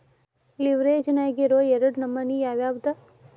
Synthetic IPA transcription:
liʋɾeːd͡ʒɐnaːjɡeɾoːjeɾɐɽnɐmːɐnijaːʋjaːbd̪ɐ

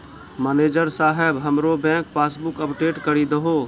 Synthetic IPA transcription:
məːneːd͡ʒəɾsaːɦebɦəmɾobɛ̃ːkpaːsbʊkəpʈeːʈkəɾid̪əɦoː

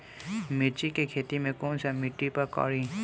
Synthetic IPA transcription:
mit͡ʃikekʰet̪imekonsamiʈːipakɔ̰ɹi

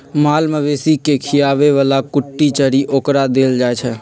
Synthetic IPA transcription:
maːlməʋeːsikekʰɪjaːʋeʋaːlakʊʈːit͡ʃəɾiʔoːkɾad̪eːld͡ʒaːet͡ʃʰɛ

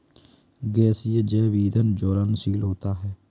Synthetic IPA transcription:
ɡɛːsijəd͡ʒɛːʋiːd̪ənd͡ʒoːɾənsiːlɦoːt̪aːɦɛː

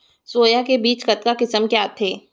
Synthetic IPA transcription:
soːjakebiːt͡ʃkɐt̪kakɪsəmkjaːt̪ʰeː

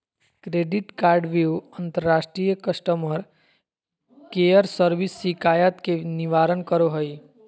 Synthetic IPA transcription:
kɾeɖiʈkaːɾɖʋiuənt̪əɾːaːʃʈɾijəkəsʈəməɾ | kejəɾsəɾʋisːikajət̪keniʋaɾənkəɾoɦəj

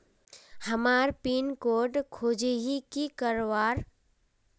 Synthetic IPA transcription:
həmaɾpiːnkoɾɖkʰoːd͡ʒeɦikikəɾʋaːɾ

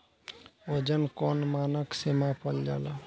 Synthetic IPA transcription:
od͡ʒənkonmaːnəksemapʰəld͡ʒa̰ːla

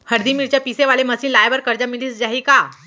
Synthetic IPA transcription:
həɾd̪imiɾt͡ɕjapiseʋaleməsiːnlajʋəɾkəɾd͡ʑamiliːsd͡ʑaɦiːka

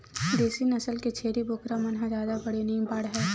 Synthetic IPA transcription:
d̪eːsinɐsəlket͡ʃʰeːɾiboːkɾamɐnɦãzjaːd̪abɐɽeniĩbaːɽɦɛː

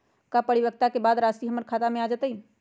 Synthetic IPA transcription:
kapəɽibək̚t̪akebaːd̪ɾasiɦəməɾkʰat̪amẽad͡ʒət̪əi

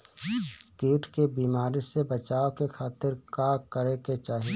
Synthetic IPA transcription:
keːʈkebiːmaːɾisebɐt͡ʃaːokekʰaːt̪ɪɾkaːkəɾeket͡ʃaːɦi

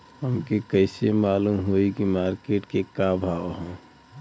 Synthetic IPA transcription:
ɦəmkekəɪsemaːlumɦoikimaːɾkeʈkekabʱaːʋɦõː

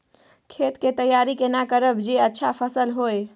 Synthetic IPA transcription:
kʰet̪ket̪əjːaɾikenakəɾəbd͡ʒeətːʃʰapʰəsəlɦoj

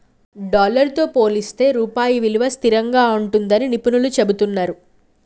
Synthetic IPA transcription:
ɖaːlɐɾt̪o̞ːpo̞ːlist̪e̞ːɾuːpaːjiʋiluʋɐst̪iɾɐŋɡaːuɳʈund̪ɐninipunulut͡ʃe̞but̪unːaːɾu

